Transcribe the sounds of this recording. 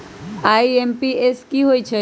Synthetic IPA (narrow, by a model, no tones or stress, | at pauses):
aiempieskiɦoːit͡ʃʰe